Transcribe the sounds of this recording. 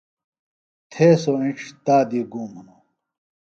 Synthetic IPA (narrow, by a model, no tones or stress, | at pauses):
t̪ʰeːsoːĩʈ͡ʂʰt̪aːd̪iɡuːmunu